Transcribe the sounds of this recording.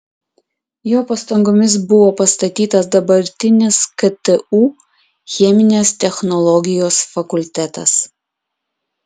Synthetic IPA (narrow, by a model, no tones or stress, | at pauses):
joːpɐst̪ɐŋɡoːmʲɪsbʊʋoːpɐst̪ɐt̪ʲiːt̪ɐsd̪ɐbɐɾʲt̪ʲɪnʲɪskɐt̪ɛuː | xʲɛmʲɪnʲeːst̪ʲɛxnɔlˠɔɡʲɪjoːsfɐkʊlʲt̪ʲæt̪ɐ̰s